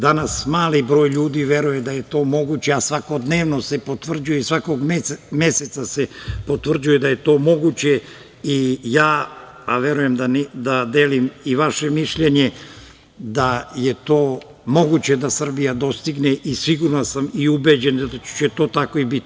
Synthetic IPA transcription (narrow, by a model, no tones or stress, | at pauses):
d̪anasmaːlibɾo̞ːjʎuːd̪iʋje̞ɾujed̪aje̞t̪o̞ːmo̞ɡut͡ɕeasʋakod̪neːʋnosepo̞t̪ʋr̩d͡ʑujeisʋako̞ɡmme̞set̪sasepo̞t̪ʋr̩d͡ʑujed̪aje̞t̪o̞ːmo̞ɡut͡ɕe | ijaː | aʋe̞ɾuje̞md̪and̪ad̪eːlimiʋaʃe̞miʃʎe̞ɲe | d̪ajet̪o̞ː | mo̞ɡut͡ɕe̞d̪asr̩bijad̪o̞st̪iɡneʔisʋiɡuɾnasamiubed͡ʑend̪t͡ʃet̪o̞ːt̪akoibit̪i